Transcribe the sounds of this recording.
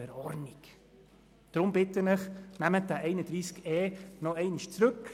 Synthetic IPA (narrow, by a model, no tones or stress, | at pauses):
ɛɾɔɾnik | d̪̥ɾʊmbɪt̪ənɪχnæmət̚d̪æʔɛɪnəd̪ɾiːskɛːnɔɛɪniʃt͡sɾɵk